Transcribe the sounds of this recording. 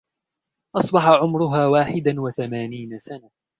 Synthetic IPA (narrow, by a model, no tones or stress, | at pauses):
ʔɑsˤbɑħaʕʊmɾʊɦaːwaːħɪd̪anwaθamaːniːnasana